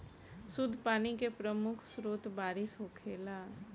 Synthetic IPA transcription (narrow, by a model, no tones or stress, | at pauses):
sʊd̪ʱːpaːnikepɾəmʊkʰsɾuːt̪baːɾɪsɦoːkʰeːlaː